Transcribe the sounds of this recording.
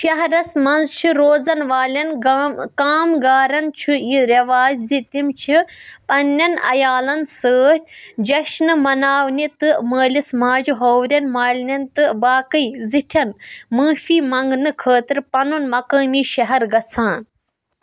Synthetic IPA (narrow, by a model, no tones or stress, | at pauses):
ʃɐɦɐɾɐsmɐnzt͡ʃʰiɾoːzɐnʋaːlʲɐnkaːmɡaːɾɐnt͡ʃʰujiɾɐʋaːzzit̪imt͡ʃʰipɐnːɐnɐ̰jaːlɐnsəːʃt̪ʲd͡ʒɐʃnɨmɐnaːʋnit̪ɨməːlismaːd͡ʒuɦowɾʲɐnmaːlʲnʲɐnt̪ɨbaːkɨjziʈʰɐnmɨːfiːmɐŋɡnɨkʰəːt̪ɾpɐnunmɐkəːmiːʃɐɦɐɾɡɐt͡sʰãːn